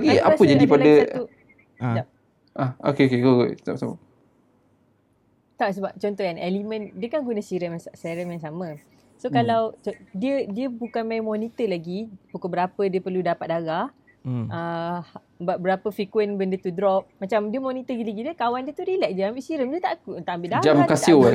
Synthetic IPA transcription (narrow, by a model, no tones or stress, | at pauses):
kia̰pəd͡ʒadipadau | da | ʔao̰keokekket̪a̰psamə | t̪aʔsəbap̚t͡ʃɔnt̪ɔhjanɛlimə̃ndiəkankunə̃siɾəmssaɾəmjaŋs̬amə̃ | sokalawt͡ʃdiədiəbukanmajmɔnit̪əlaɡipukobəɾapədiəpərludapat̪̚daɡah | əh | bat̪̚bəɾapəfikwənbəndət̪udɾɔp̚mat͡ʃamdiəmɔnit̪əɡilaɡidiəkawandiət̪udilɛʔ̚d͡ʒaambiʔsiɾəmd͡ʒiət̪a̰ʔkut̪aʔambiʔdad͡ʒamkasio